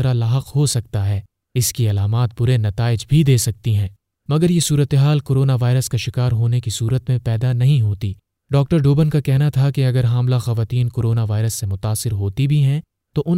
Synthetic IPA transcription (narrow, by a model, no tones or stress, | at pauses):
ɾalaːɦəqhosɐk̚t̪aɦɛː | ɪskiɐlaːmaːt̪̚bʊɾenɐt̪aːɪd͡ʒbʱid̪eːsɐk̚t̪iɦɛ̃ː | mɐɡəɾjesuːɾət̪eɦaːlkoːɾoːnaʋaːɪɾəskaʃɪkaːɾɦoːnekisuːɾət̪mẽpɛːd̪anɐɦĩɦoːt̪iː | ɖɔːk̚ʈəɾɖoːbənkakɛɦnat̪ʰakeɐɡəɾɦaːmlaxɐʋaːt̪iːnkoːɾoːnaʋaːɪɾəsːemʊt̪aːsɪɾɦoːt̪ibʱiɦɛ̃ | t̪oʔʊ